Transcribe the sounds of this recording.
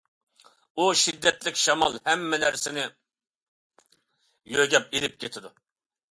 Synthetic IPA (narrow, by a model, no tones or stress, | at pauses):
uʃid̪ːɛt̪lɪkʲʃɑmɑ̰lˠhɛmːɛnæɾsɪnɪ | jøɡʲɛp̚elɪp̚kʲʰet̪ʰɪd̪u